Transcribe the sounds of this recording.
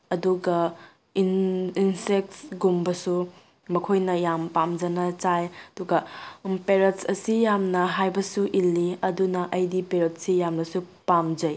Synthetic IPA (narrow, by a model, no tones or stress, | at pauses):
ɐduɡɐ | ininsek̚tsɡumbɐsu | mɐkʰojnɐjampamd͡ʒɐnɐt͡ʃajɐduɡɐpeɾetsɐsijamnɐɦajbɐsuʔilːiɐdunɐʔɐjdipeɾet̚sijamnɐsupamd͡ʒɐj